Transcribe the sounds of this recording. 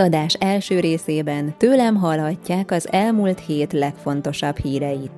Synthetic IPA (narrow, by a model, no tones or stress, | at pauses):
ɒd̪aːʃɛlʃøːɾeːseːbɛnt̪øːlɛmɦɒlɦɒcːaːkɒzɛlmuːlt̪heːt̪lɛkfo̞nt̪o̞ʃɒbhiːɾɛjit̪